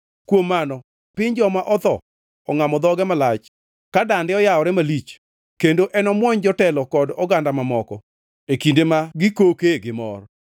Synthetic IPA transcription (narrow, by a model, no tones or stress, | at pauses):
kwomːanɔ | pɪɲd͡ʒɔmaʔɔt̪ɔ | ɔŋamɔd̪ɔɡɛmalat͡ʃ | kadandɪɔjaɔɾɛmalit͡ʃ | kendoʔɛnɔmwɔɲd͡ʒɔtɛlɔkɔdɔɡandamamɔkɔ | ekindemaɡɪkokeɡɪmɔ̰r